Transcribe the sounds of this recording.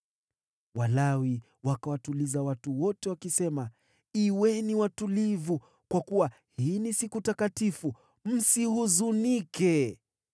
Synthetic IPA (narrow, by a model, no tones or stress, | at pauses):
walawi | wakawatulizawatuwɔtɛwakisɛma | iwɛniwatulivu | kwakuwa | hinisikutakatifu | m̩sihuzunikɛ